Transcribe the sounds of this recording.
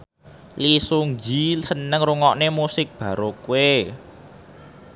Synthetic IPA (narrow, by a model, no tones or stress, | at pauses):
lisuŋd͡ʒisənəŋruŋɔʔnemusɪk̚b̥ä̤ɾokue